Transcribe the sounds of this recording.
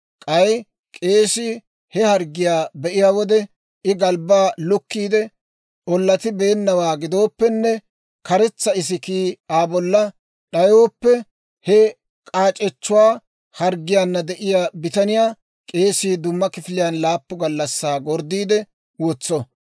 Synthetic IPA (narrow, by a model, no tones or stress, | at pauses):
kʼɐj | kʼe̞ːsiː | hɛhɐɾɡɪjaːbɛʔɪjaːwɔd̪ɛ | ɪɡɐlbaːlʊkːiːd̪ɛ | ʔɔlːɐt̪ɪbeːnːɐwaːɡɪd̪o̞ːpːɛnːɛ | kɐɾɛt͡sːɐɪs̬ɪkiːaːbɔlːɐ | ɗɐjoːpːɛ | hɛ | kʼaːt͡ʃʼɛt͡ʃːʊwaː | hɐɾɡɪjaːnːɐd̪ɛʔɪjaːbɪt̪ɐnɪjaː | kʼe̞ːsiːd̪ʊmːɐkɪfɪlɪjaːnlaːpːʊɡɐlːɐsːaːɡɔɾd̪iːd̪ɛ | wɔt͡sːɔ